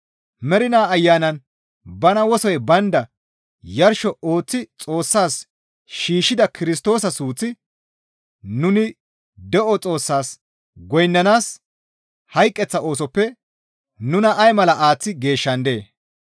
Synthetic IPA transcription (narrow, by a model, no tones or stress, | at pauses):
mɛɾɪnaːɐjːaːnɐn | bɐnɐwɔsɔjbɐnd̪ɐ | jɐɾʃɔoːt͡sːɪt͡sʼo̞ːsːaːs | ʃiːʃːɪd̪ɐkɪɾɪst̪o̞ːsɐsuːt͡sːɪ | nʊnɪ | d̪ɛʔɔt͡sʼo̞ːsːaːs | ɡɔjnːɐnaːs | hɐjkʼːɛt͡sːɐo̞ːs̬ɔpːɛ | nʊnɐʔɐjmɐlɐʔaːt͡sːɪɡe̞ːʃːɐnd̪e̞ː